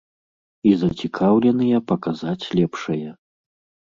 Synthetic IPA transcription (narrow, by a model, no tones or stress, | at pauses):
izɐt͡sʲikʰawlʲɛnɨjɐpɐkazat͡sʲlʲɛpʂɐjɐ